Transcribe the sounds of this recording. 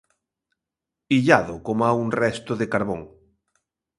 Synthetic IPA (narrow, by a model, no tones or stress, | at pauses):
iʎaðokomaunrɛst̪oðekaɾβoŋ